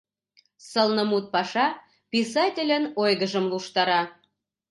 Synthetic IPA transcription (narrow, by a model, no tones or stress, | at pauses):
səlnɤ̆mut̪̚pɑʃɑ | pʲisɑtʲelʲə̆nojɣəʒə̆mluʃt̪ɑɾɑ